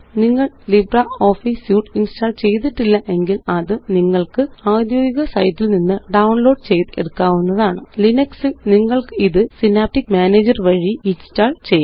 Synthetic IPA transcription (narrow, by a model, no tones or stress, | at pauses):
niŋːɐɭ | librɐoːfisjuːʈinstaːɭt͡ɕe̞jt̪̬iʈːilːɐʔe̞ŋɡilɐðɨniŋːɐɭkɨaːd̪joːɡiɣɐsɐjtːilninːɨɖɐwɳlo̞ːɖt͡ɕejt̪eɽukːaːʋunːɐðaːɳɨlinɐksɨniŋːɐɭkɨiðɨsinaːp̚ʈːikːmaːneːd͡ʑɐrʋɐɻiinstaːɭt͡ɕejː